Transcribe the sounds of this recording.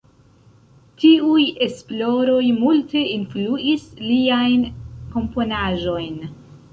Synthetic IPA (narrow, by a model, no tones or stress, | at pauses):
tiuje̞splo̞ɾo̞jmulte̞influʔisliajnko̞mpo̞naʒo̞jn